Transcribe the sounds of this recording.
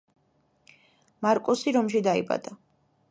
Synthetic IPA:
maɾkʼɔsiɾɔmʃ̬id̪aḭba̰d̪a

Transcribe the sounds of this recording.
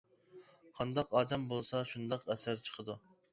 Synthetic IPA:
qʰɑnd̪ɑqɑːd̪ɛmbolˠsɑʃund̪ɑqɛsæɾt͡ʃʰə̥qʰəd̪u

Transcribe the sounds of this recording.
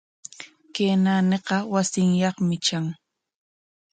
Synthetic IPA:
kenaneqɑwasɪŋjɑχmɪt͡ʃaŋ

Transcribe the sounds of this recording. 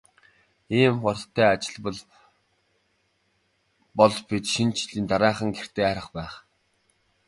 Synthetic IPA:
iːmχɔrʰt̪ʰːæːat͡ɕɪ̆ɮpəɮ | pɔɮpit͡ɕʃint͡ɕʰɮiːnt̪aɾæːχə̆ŋɡer̥t̪eːæːɾə̆χpæːχ

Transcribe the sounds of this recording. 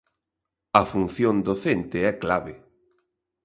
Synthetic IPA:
ɐfun̟θjõnd̪oθent̪ɪɛklaβe

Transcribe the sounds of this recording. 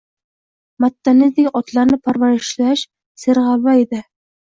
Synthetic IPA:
mat̪ːanɪzd̪ɪkʲɒt̪lˠaɾnɪpʰaɾvaɾɪʃlaʃ | sɪɾʁɑβaed̪ɪ

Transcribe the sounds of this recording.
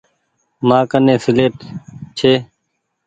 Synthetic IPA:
mãːkənẽːsɪleːt̪t͡ʃʰeː

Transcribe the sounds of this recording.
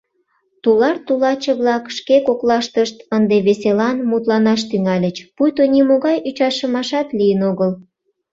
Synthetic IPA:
t̪ulɑrt̪ulɑt͡ɕəβlɑkʃkekoklɑʃt̪əʃt̪ənd̪eβeselɑnmut̪lɑnɑʃt̪yŋɑlʲət͡ɕpujt̪onimoɣɑjyt͡ɕɑʃəmɑʃɑt̪lijənoɣəl

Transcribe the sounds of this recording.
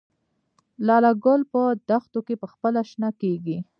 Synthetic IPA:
lɑlaɡʊlpəd̪axt̪okepəxpəlaʃnakeɡi

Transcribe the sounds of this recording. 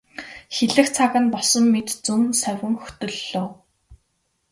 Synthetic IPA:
xeɮɘ̆xt͡sʰaɣə̆npɔɮsɞ̆mːet̪t͡sɵmsœwʲɘ̆ŋxɵ̥t̪ɵ̆ɮːoː

